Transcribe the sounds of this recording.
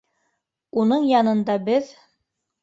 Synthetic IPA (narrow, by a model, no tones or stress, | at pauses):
unɤɴjɑnɤ̆nd̪ɑbɘð